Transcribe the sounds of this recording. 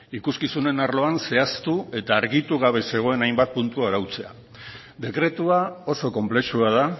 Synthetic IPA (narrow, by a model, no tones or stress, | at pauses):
ikuskisune̞naɾlo̞anse̞ast̪ue̞t̪aːɾɣit̪uɣ̞aβ̞e̞se̞ɣ̞o̞e̞najmbat̪̚punt̪uaɾawt͡se̞a̰ | d̪e̞kɾe̞t̪uao̞so̞ko̞mple̞ʃuað̞a